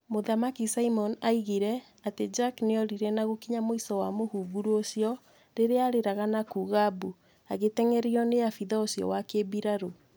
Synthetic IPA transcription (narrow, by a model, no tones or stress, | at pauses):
moðamakisaimɔnaiɣiɾɛ | ated͡ʒakneɔɾiɾɛnaɣokiɲamoisɔwamohuːɡuɾuosijɔ | ɾeɾeaɾeɾaɣanakuːɣabu | aɣetɛŋɛɾiɔneafiðaosjɔ̰wakebiɾaɾo